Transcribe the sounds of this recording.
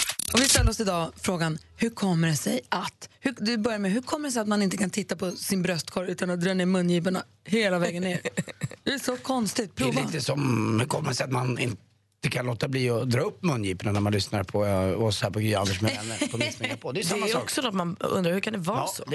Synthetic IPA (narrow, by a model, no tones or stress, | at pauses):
ɔvɪst̪ɛlːɾɔsɪd̪ɑːfɾoːɡanhɵɾkʰɔmːəɾɛsɛjʔat̪hɵd̪ɵbœɾjamɛɦɵkʰɔmːəɖɛs̬ɛjat̪manɪnt̪əkʰant̪ʰɪt̪ːapʰɔsɪnbɾœst̪kʰɔɾʉ̟ːt̪anɔd̪ɾɑːneːɾmɵnːjiːpaɳa̰ | heːlavɛːɡənːeːɾd̪ɛæʂɔkʰɔnst̪ɪt̪̚pʰɾːviːt̪əsɔmhʉɾkʰɔmːɾsɛjat̪manɪ̰nt̪ | əkʰanloːt̪ːabliːɔd̪ɾɑːɵpːmɵnːjiːpəɳanæɾmanlʏsnaɾpʰɔɔshæːɾpʰɔɡyːa̰nd̪əʂmɛɛnːə̰pʰɔmɪsɛŋɾpʰɔd̪ɛjʏdsaɛmːaɔksɔd̪at̪manɵ̰nd̪ɾaɾhʉkʰand̪ɛvɑs